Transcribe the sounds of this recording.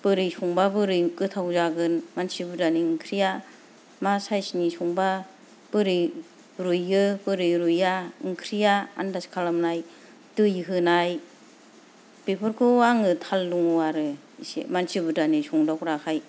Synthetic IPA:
b̥ɯɾɯjsɔŋbabɯɾɯjkɯtʰawzaɡɯnmansibɯdaniŋkʰɾija | masajsinisɔŋba | b̥ɯɾi | ɾujɡɯbɯɾɯɾujaɯŋkʰɾijaa̰ndaskʰalamnaj | tɯjɦɯnaj | b̥epʰɯɾkʰɯwaŋɯtʰalːuŋwaɾɯ | isḛmansibɯdanisɔŋdakɾakʰaj

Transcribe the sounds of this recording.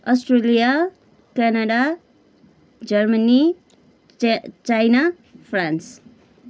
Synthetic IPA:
ɔsʈrelija | kanaɖa | d͡ʒʌrmani | t͡ʃajna | pʰrans

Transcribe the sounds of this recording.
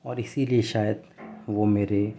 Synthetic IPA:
ɔːɾɪsilieʃaːjəd̪ʋomeːɾe

